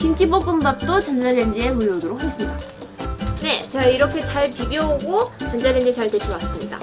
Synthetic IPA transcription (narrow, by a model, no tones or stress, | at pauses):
kint͡ɕʰibok͈ɯmbap̚t͈ot͡ɕʌnd͡ʑadend͡ʑieɯjodɯɾokhʰes͈ɯmɲida | ne̞t͡ɕeiɾʌkʰe̞t͡ɕaɭpibjoaɡot͡ɕʌnd͡ʑadend͡ʑit͡ɕaɭtet͡ɕʰiwas͈ɯmɲida̰